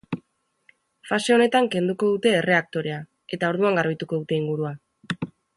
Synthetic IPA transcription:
fase̞o̞ne̞t̪aŋke̞nd̪uko̞ð̞ut̪e̞ːre̞ak̚t̪o̞ɾe̞a | e̞t̪ao̞ɾð̞uaŋɡaɾβit̪uko̞ðut̪e̞iŋɡuɾua

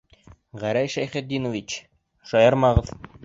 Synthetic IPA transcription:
ʁæɾæjʃæjχɘ̆t̪̚d̪inŏvit͡ɕ | ʃɒjɑɾmɑʁɤð

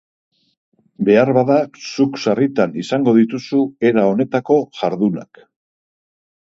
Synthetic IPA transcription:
be̞aɾβaðasuksarit̪anisaŋɡo̞ðit̪usue̞ɾao̞ne̞t̪ako̞ʝaɾðuna̰k

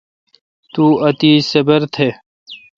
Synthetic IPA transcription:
t̪uːɐt̪iːsɐbɐɾt̪ʰe

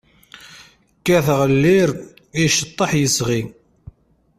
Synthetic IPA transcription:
kːæθʁəlːɪɾ | iʃət̪ˤːɑħjəsʁi

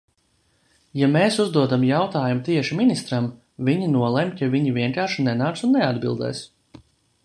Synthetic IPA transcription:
jameːsuzd̪uɔd̪amjawt̪aːjumut̪iɛʃiminist̪ɾam | vʲiɲinuɔlˠɛmʲt̪ʲavʲiɲivʲiɛŋkaːɾʃinɛnaːt̪sunːɛad̪bilˠd̪ɛ̰ːs

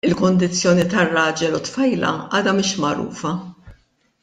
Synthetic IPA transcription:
ɪlkʊnd̪ɪt͡sːjɔːnit̪ɐrːɐːd͡ʒɛlʊt̪fɐjlɐ̰ʔɐːd̪ɐmɪːʃmɐɾṵːfɐ

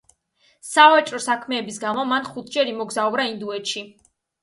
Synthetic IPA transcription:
savat͡ʃʼɾɔsakʰmɛːbisɡamɔmanχut̪ʰd͡ʒɛɾimɔɡzaɔbɾaind̪uɛt̪ʃi

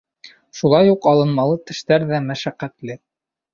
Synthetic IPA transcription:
ʃulˠɑjuqɑlˠɤ̆nmɑlˠɤt̪ɘ̆ʃt̪æɾðæmæʃæqːæt̪lɘ

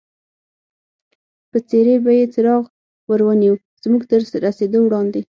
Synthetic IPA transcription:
pət͡seɾebajet͡səɾɑɣ | wəɾwəniwu | z̥muɡt̪əɾːased̪owɽɑnd̪e

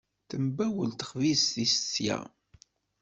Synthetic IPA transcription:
θəmbæwəlt̪ə̥χvisθisə̥t͡sːjæ̰

